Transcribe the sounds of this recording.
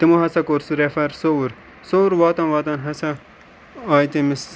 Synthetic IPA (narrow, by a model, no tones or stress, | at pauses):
t̪imoɦɐsɐkoːɾsuɾefɐɾsoɾ | sowɾʋaːt̪ɐnʋaːt̪ɐnɦɐsɐ | aːjt̪emis